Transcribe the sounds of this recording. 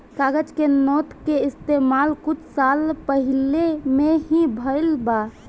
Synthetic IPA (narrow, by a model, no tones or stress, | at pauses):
kaɡəd͡ʒkenɔt̪keist̪emalkut͡ʃʰsalpəɦilemeɦĩbʱəjlba